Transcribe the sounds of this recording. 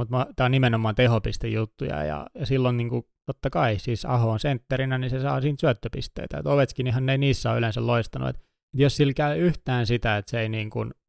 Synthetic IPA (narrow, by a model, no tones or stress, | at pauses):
mut̪mɑt̪æonimenomːˑɑːnt̪ehopist̪ejjut̪ːujɑ̰jɑ̰jɑsilːonniːŋku | t̪ot̪ːɑkɑisiːsɑ̰hoːnsent̪ːerinænisesɑ̰ːsiːnt̪syøt̪ːøpist̪ḛit̪æḛt̪oʋet̪skinihænːeiniːsːæo̰ylensɑlloist̪ɑnṵḛt̪ | et̪jossilkæyyht̪æːnsit̪æet̪seeiniːŋkun